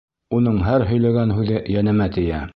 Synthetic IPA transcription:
unɤɴɦæɾɦɵ̆jlæɡænɦʉðɘjænɘ̆mæt̪ɘ̆jæ

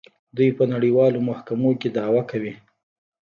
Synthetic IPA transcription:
d̪ujpənaɽiwɑlomahkamoked̪ɑwakawi

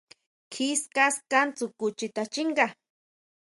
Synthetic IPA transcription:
kʰɪskaskant͡sʊkʊt͡ʃɪt̪at͡ʃɪɴɢɑ

